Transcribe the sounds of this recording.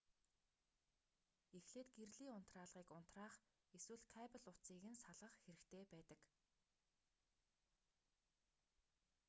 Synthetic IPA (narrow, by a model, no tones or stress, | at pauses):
exɮeːt̪ɡerɮiːʊn̥t̪raːɮʁiːkʊn̥t̪raːχ | eswɘ̆ɮkʰæːpə̆ɮʊt͡siːɣɘ̆nsaɮʁə̆χxeɾɘ̆kt̪ʰeːpæːt̪ə̆k